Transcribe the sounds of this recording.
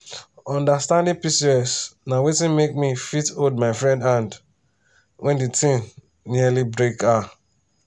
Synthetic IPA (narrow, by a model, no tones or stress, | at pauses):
ɔ̃ndastãndĩpisiɛsnawetĩnmek̚mifitoldmaɪfɹɛ̃ndãnd | wʔɛ̃nditʰĩn | nialibɹeka